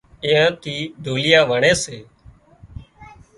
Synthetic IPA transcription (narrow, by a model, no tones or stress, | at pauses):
ɪ̃jãːt̪iːd̪ʱoːlɪjaːʋəɳeːseː